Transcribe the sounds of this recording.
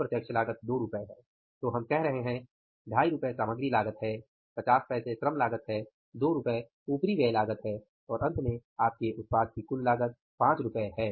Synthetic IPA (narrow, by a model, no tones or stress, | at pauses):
pɾɐt̪jɐkʃʰəlaːɡət̪̚d̪oːɾʊpəeɦɛː | t̪oːɦɐmkɛɦɾɐɦeɦɛ̃ | ɖʱaːiɾʊpesaːməɡɾilaːɡət̪ɦɛː | pɐt͡ʃaːspɛːsesɾəmlaːɡət̪ɦɛː | d̪oːɾʊpəe | uːpɾiʋeːlaːɡət̪ɦɛː | ɔːɾʔɐ̃nt̪mẽaːp̚keʔʊt̪̚paːd̪̚kikʊllaːɡət̪̚ | pãːt͡ʃɾʊpəeɦɛː